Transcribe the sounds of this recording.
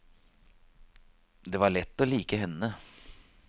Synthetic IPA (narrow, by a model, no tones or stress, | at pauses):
d̪ɛːʋɑɭɛt̪ːɔliːkəɦɛnːə